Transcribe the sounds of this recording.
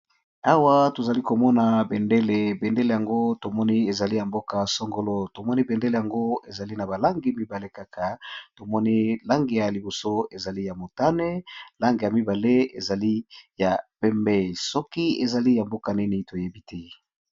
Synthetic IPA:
a˦wa˦to˨za˨li˦ko˨mɔ˦na˨bɛ˨nde˦le˨bɛ˨nde˦le˨ja˨ŋɡo˦to˨mɔ˦ni˦e˨za˨li˦ja˨mbo˦ka˨so˦ŋɡo˨˦lo˦to˨mɔ˦ni˦bɛ˨nde˦le˨ja˨ŋɡo˦e˨za˨li˦na˨ba˨la˦ŋɡi˨mi˦ba˨le˦ka˦kʰa˨to˨mɔ˦ni˦la˦ŋɡi˨ja˨li˨bo˨so˦e˨za˨li˦ja˨mo˨ta˦ne˦la˦ŋɡi˨ja˨mi˦ba˨le˦ḛ˨za˨li˦ja˨pɛ˦mbɛ˦sɔ˦ki˦e˨za˨li˦ja˨mbo˦ka˨ni˦ni˨to˨je˦bi˦tʰɛ˦

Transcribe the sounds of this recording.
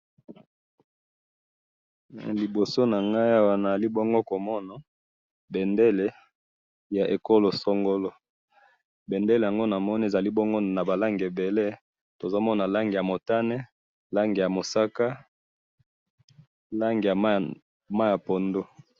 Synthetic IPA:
li˨bo˨so˦na˨ŋɡa˦jwa˨na˨li˦bɔ˦ŋɡo˦ko˨mɔ˦na˨ | be˨nde˦le˨ | ja˨ʔe˨ko˦lo˨sɔ˦ŋɡo˦lo˦ | be˨nde˦le˨ja˨ŋɡo˦na˨mɔ˦ni˦e˨za˨li˦bɔ˦ŋɡo˦na˨ba˨la˦ŋɡe˨be˨le˦ | to˨za˦mɔ˦na˨la˦ŋɡe˨ja˨mo˨ta˦nɛ˦ | la˦ŋɡe˨ja˨mo˨sa˦ka˦ | la˦ŋɡe˨ja˨ | ma˦ja˨po˨ndo˦

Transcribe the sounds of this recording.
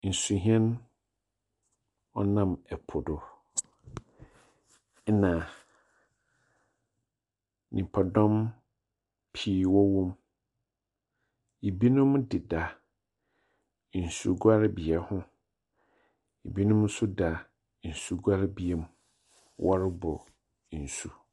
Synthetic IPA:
n̩˨su˨ɦĩ˦ɛ̃˦n˦ | ɔ˦nã˦˨mɛ˨pʰʊ˨dʊ˨˦ | nã˨ | nʔĩ˨pʰa˨dɔ̃˦m | pʰiː˦wɔ˦wõ˦m | i˨bi˦nʊ̃˦m˦dɪ˨da˨ | n̩˨sṵ˨ɡa˦ɾbi˨ɛ˨hʊ̃˦ | i˨bi˦nʊ̃˦m˦sʊ˦da˨ | n̩˨su˨ɡa˦ɾbi˨ɛ˨m˦ | wʔɔ˦ɾɪ˦bɔ˨ | n̩˨su˨

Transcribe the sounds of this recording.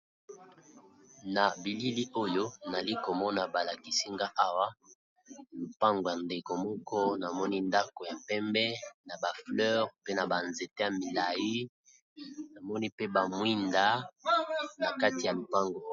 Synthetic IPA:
na˨bi˨li˦li˦ʔo˦jo˦na˨li˦ko˨mɔ˦na˨ba˨la˨ki˨si˦ŋɡa˦ʔa˦wa˦ | lu˨pa˦ŋɡo˨ja˨nde˨ko˨mɔ˦kʰɔ˦na˨mɔ˦ni˦nda˦ko˨ja˨pɛ˦mbɛ˦na˨ba˨flœ˦ʁpe˦na˨ba˨nze˨te˦ja˨mi˨la˨ji˦ | na˨mɔ˦ni˦pe˦ba˨mwi˦nda˨˦ | na˨ka˦ti˨ja˨lu˨pa˦ŋɡo˨

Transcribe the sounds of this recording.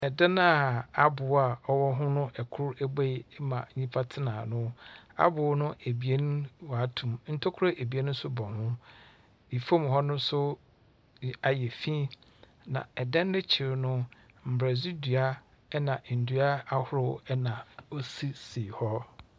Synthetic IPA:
ɛ˨da˦na˦˨a˦bʊ˨˦a˨ɔ˦wɔ˦ɦʊ̃˦nʊ̃˦ʔɛ˨kʰʊ˦ɾɛ˦be˦˨˦mã˨ɲĩ˦pʰa˦tʰɪ˦nã˨nʊ̃˦a̰˦bʊ˨˦nʊ̃˦ʔe˨bi˨e˦n˦wa˨a˨tʰũ˨mn̩˦tʰo˦kʰʊ˦ɾa˦ʔe˨bi˨e˦nʊ̃˦sʊ˦bɔ̃˨hʊ̃˦ | i˨fo˦m˨hɔ˦nʊ̃˦sʊ˦ | a˨jɛ˨fĩ˦ | nã̰˨ɛ˨dɛ̃˦n˦dɪ˦t͡ɕʰɪ˨ɾɪ˨nʊ̃˦ | m̩˨bɾɛ˨zi˦dɥa˦ | nã˨n̩˨dɥa˦a˦hʊ˦ɾʊ˦ɛ˦nã˨o˦si˦siː˨hɔ˦

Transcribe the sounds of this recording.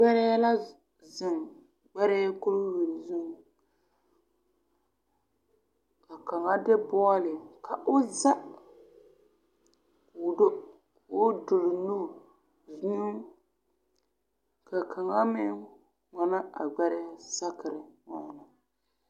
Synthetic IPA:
ɡ͡bɛ˦ɾɛ˦la˦ | zɪ˨ŋ | ɡ͡bɛ˦ɾɛ˦kʊ˦ɾʊ˦wi˨zu˦ŋ˨ | ka˨ka˨ŋa˦dɪ˦bɔ˦lɪ˨kʰa˨ʔʊ˦za˦ | kʊ˨do˦ | ʊ˦dʊ˨ɾɪ˨nu˦˨ | zu˦ | ka˨kʰa˨ŋa˦mɪ˦ŋ | ŋa˨na˦a˨ɡ͡bɛ˦ɾɛ˦sa˦kɪ˨ɾɪ˨ŋa˨na˨

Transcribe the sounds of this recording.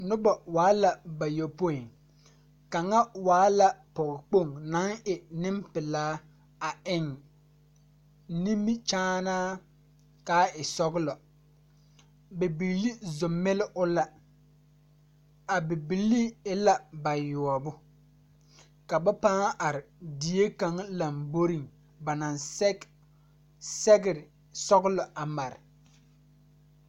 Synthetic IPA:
nʊ˦ba˨waː˨˦la˨ba˨jɔ˨po˦i˨ŋ | ka˨ŋa˦waː˨˦la˨pɔ˨ɣɪ˨k͡po˦˨ŋna˨˦ŋɪ˨nɪ˦mpɪ˨laː˦ | a˨ɪ˦˨ŋ | nĩ˦mi˦t͡ʃaː˦naː˦ | kaː˦ɪ˨sɔ˦ɣɪ˦lɔ˨ | bɛ˨bi˨lːi˦zʊ˨mːɪ˦lɪ˦ʔʊ˦la˦ | a˨bɪ˨bi˨lːi˦ɪ˦la˦ba˨jʊ˨ɔ˨bʊ˦ | ka˨ba˦paː˦ʔa˨ɾɪ˨di˨˦e˦ka˨ŋla˨mbo˦ɾi˦˨ŋ | ba˨na˨n˦ | sɛ˦ɡɪ˦˨ɾɪ˨ | sɔ˦ɡʊ˦lɔ˨a˨ma˨ɾɪ̰˨

